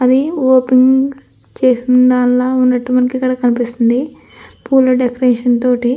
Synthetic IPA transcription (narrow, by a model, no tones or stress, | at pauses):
ɐd̪ioːpiŋɡ | t͡ʃe̞ːsind̪aːnlaːunːɐʈːumɐnɐkikːɐɽaːkɐnipist̪und̪i | puːlɐɖekɐɾeːʂɐnt̪o̞ːʈi